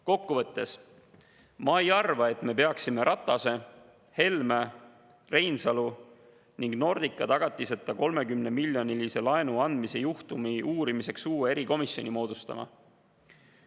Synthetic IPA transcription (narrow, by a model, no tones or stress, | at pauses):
ko̞kːuvɤ̞t̪ːe̞s | mɑejɑrvɑe̞t̪me̞pe̞ɑksime̞ɾʔɑt̪ˑːɑse̞ | he̞lmæ | re̞jnsɑlu | niŋɡno̞rd̪̥ikːˑɑt̪ɑɡ̥ɑt̪ˑːiset̪ːˑɑko̞lme̞kymne̞milʲjo̞nilise̞lɑe̞nuɑnd̪mise̞juht̪umiʔuːɾimise̞ksuːwee̞ɾiko̞misjo̞nʲimo̞ːd̪̥ust̪ɑ̰mɑ̰